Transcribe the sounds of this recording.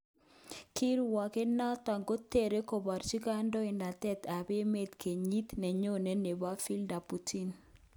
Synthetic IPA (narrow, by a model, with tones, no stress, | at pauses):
kʰi˦ɾwa˨ke˦na˦t̪a˨ŋɡo˦te˦˨ɾe˦ko˨ba˨ɾt͡ʃi˦ka˦ndɔ˦i˨nda˨t̪ɛ˦t̪a˨be˦me˦t̪kʰe˨ɲi˦t̪nɛ˨ɲo˦ne˦ne˨ba˦fi˦lda˨pu˨ti˦n